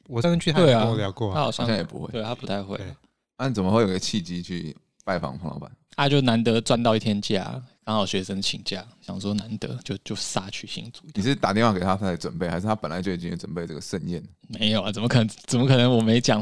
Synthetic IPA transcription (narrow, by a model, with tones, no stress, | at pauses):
wɔ˨˩˥kə˥nt͡ɕʰy˥˧˥we˥˩ɪa˨˥ljɑ˨˩kwɔ˥˧˨a˥xɑ˨ʊɕj̰̃ŋɕjŋjɛ̰˨˩pṵ˧˦xwe˥˩˨t̪e˥˩ɪt̪ʰa˥pu˧˥t̪ʰa˥˧ɪxwḛ˥˩ɪlə̰˩ | a˥˩˨t͡sə˨˩mə˦xwe˥˩jo˨˩˧ɡə˧t͡ɕʰi˥˩t͡ɕi˥t͡ɕʰy˥˧ | pa˥ɪfɑ̰˧˥ŋpʰŋlɑ̰˧˥ʊa̰˨˩na˥˧t͡ɕjo˥˧ʊna˧˥nt̪ə˧˦t͡swa˥nt̪ɑ˥˧ʊi˧t̪ʰjɛ˥nt͡ɕja̰˥˩kɑ˥ŋxɑ˨˩ʊɕɥɛ˧˥ʂə˥ŋt͡ɕʰḭ˨˩ŋt͡ɕja̰˥˩ɕjɑ̰˨˩ŋʂwɔ˥na˧˦nt̪ə̰˧˦t͡ɕjo˥˧ʊt͡ɕjo˥˧ʊsa˥˩t͡ɕʰy˥˩ɕḭ˧˩ŋt͡su˥i˨˩ɻ̩˥˩t̪a˨˩tjnwa˥˩ke˨˩t̪ʰa˥t̪ʰa˥ə˧˩ʈ͡ʂwə˨˩npe˥ɪxa˧˥ʂɻ̩˥˩t̪ʰa˥pə˨˩nla˨˦ɪt͡ɕji˨˩t͡ɕi˥˧˩wə˨˩npe˥˧ɪʈ͡ʂə˥˩ɡə˨ʂə˥˧nɛ̰˥˨˩n˩me˧˥ɪjo˨˩ʊa˨˩t͡sə˨˩mə˦kʰə˨˩ə˦t͡sə˨˩mə˦kʰɤ˨˩nə˧˦ŋwɔ˨˩me˧˥ɪt͡ɕjɑ˨˩